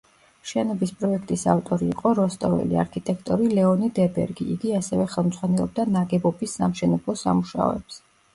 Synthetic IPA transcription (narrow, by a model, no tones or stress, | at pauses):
ʃɛnɔbispʼɾɔɛkʰt̪ʼisaft̪ʼɔɾiːqʼɔɾɔst̪ʼɔvɛ̰lḭa̰ɾkʰit̪ʼɛkʰt̪ʼɔɾilɛɔnid̪ɛbɛ̰ɾɡiiɡiasɛvɛχɛlˠmd̪zʼʁwanɛlˠɔ̰b̚d̪anaɡɛbɔbisːa̰mʃɛnɛblˠɔsa̰muʃa̰ɔ̰ɛps